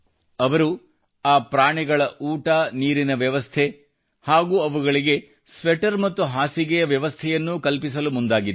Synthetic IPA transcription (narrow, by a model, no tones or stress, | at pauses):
ɐʋɐɾu | aːpɾaːɳiɡɐɭɐʔuːʈaniːɾinɐʋjɐʋɐst̪ʰe | haːɡuːɐʋuɡɐɭiɡe̞ | sʋɛʈɐɾmɐt̪ːuɦaːsiɡɛjɐʋjɐʋɐst̪ʰɛjɐnːukɐlpisɐlumund̪aːɡid̪